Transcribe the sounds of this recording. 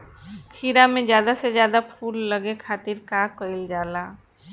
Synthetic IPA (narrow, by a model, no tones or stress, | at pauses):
kʰiɾamẽzjaːd̪asezjaːd̪apʰuːlːəɡekʰaːt̪ɪɾkaːkəɪld͡ʒaːlaː